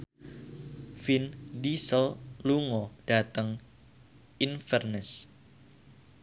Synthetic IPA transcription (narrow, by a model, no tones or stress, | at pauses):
findisəlluŋɔd̥at̪əŋ | ʔinfɛrnɛs